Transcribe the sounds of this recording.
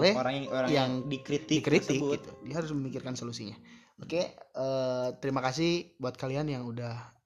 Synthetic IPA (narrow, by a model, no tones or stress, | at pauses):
lɛhoɾaŋaoɾajaŋdikɾit̪ɪikɾit̪ɪkuit̪udiaɦaɾʊsməmikɪrkansolusiɲa | okeət̪əɾimakas̬ɪhbuat̪̚kalianjaŋudah